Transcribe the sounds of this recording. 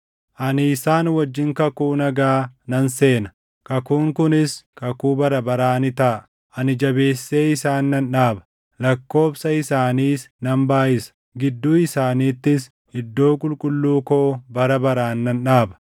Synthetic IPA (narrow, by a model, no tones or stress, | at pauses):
ʔɐnɪːsaːnwɐd͡ʒːɪŋkɐkuːnɐɡaːnɐnse̞ːnɐ | kɐkuːŋkʊnɪskɐkuːbɐɾɐbɐɾaːnɪt̪ɐː | ʔɐnɪd͡ʒɐbe̞ːsːe̞ːɪsaːnːɐnᶑaːbɐ̥ | lɐkːo̞ːfsɐɪsaːniːsnɐmbaːʔɪsɐ̥ | ɡɪd̪ːuːɪsaːniːt̪ːɪs | ɪd̪ːo̞ːkʼʊlkʼʊlːuːkoːbɐɾɐbɐɾaːnːɐnᶑaːbɐ̥